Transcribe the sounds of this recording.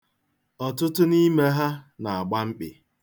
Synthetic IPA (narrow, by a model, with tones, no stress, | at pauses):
ɔ˨tʊ˦tʊ˦ni˦me˦ɦa˦na˨a˨ɡ͡ba˦ŋ͡m̩˦k͡pɪ̰˨